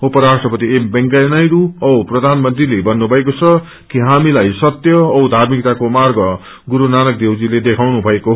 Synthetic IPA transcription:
upʌɾasʈrʌpʌt̪iembʌŋkajnajɾuʌwprʌd̪ʱanmʌnt̪rilebʌnːubʱʌekot͡sʰʌ | kiɦamilajsʌt̪jʌːwd̪ʱarmik̚t̪akomarɡʌ | ɡuɾunanʌk̚d̪ewd͡ziled̪ekʰawnubʱʌekoɦ

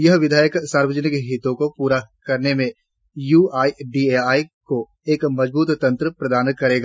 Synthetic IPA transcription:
jɐɦʋɪd̪ʱaːjəksaːɾwəd͡ʒənɪkɦɪt̪õkopuːɾakɐɾnemẽ | juːaːiɖiːeːaːiko | eːkmɐd͡ʒbuːt̪t̪ɐ̃nt̪ɾəpɾɐd̪aːnkɐɾeːɡa

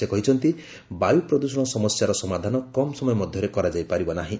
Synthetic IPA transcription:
ekɔɦit͡ʃʰɔnt̪i | bajupɾɔd̪usɔɽ̃ɔsɔmɔsjaɾɔsɔmad̪ʱanɔkɔmɔsɔmɔjɔmɔd̪ʱjɔɾekɔɾad͡ʒajpaɾibɔnaɦĩ

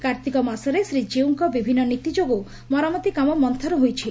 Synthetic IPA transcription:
kaɾt̪ikɔmasɔɾesɾid͡ʒiuŋkɔbibʱinːɔnit̪id͡ʒoɡo | mɔɾamɔt̪ikamɔmɔnt̪ʰɔɾɔɦojt͡ʃʰi

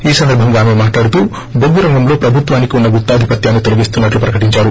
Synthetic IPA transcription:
iːsɐnd̪ɐɾbʱɐŋɡaːme̞maːʈlaːɽut̪uː | boɡuɾɐŋɡɐmlo̞ːpɾɐbʱut̪ʋaːnikiunːɐɡut̪ːaːd̪ʱipɐt̪jaːnːit̪o̞liɡist̪unːɐʈlupɾɐkɐʈiɲt͡ʃaːɾu

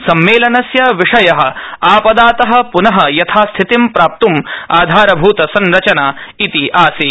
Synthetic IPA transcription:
sɐmːeːlɐnɐsjɐʋiʂɐjɐɦɐ̆aːpɐd̪aːt̪ɐɦɐ̆punɐɦɐ̆jɐt̪ʰaːst̪ʰit̪impɾaːp̚t̪umaːd̪ʱaːɾɐbʱuːt̪ɐsɐnɾɐt͡ʃɐnaːit̪iʔaːsi

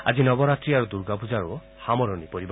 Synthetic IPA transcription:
a̰d͡ʒinɔbɔɾat̪ɾiaɾud̪uɾɡapud͡ʒaɾu | hamɔɾɔnipɔɾib

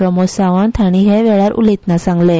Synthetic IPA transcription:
ɾəmosaʋaɳt̪ʰaɽ̃iɦɛʋɛɭaɾṵlit̪nasãŋɡle

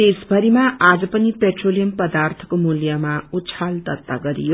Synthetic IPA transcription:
esbʱʌɾimaad͡zʌpʌnipeʈrolijʌmpʌd̪art̪ʰʌ̥komuljamaut͡sʰald̪ʌt̪ːaɡʌɾḭjo

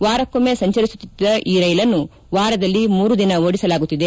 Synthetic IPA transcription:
ʋaːɾɐkːomeːsɐɲt͡ʃɐɾisu̥t̪ːid̪ːɐʔiːɾɐjlɐnːu | ʋaːɾɐd̪ɐlːimuːɾud̪inɐoːɽisɐlaːɡut̪ːid̪e

